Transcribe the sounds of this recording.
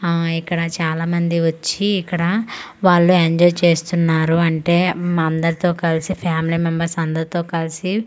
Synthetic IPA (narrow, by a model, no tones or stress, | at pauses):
ikːɐɽɐt͡ʃaːlaːmɐnd̪iʋɐt͡ʃːiːkːɐɽɐʋaːɭːueɲd͡ʒɔːjt͡ʃe̞ːst̪unːaːɾuɐɳʈe̞ːmaɐnd̪ɐɾt̪o̞ːkɐlsipʰaːmilimɛmbɐɾsɐnd̪ɐɾt̪o̞ːkɐlisi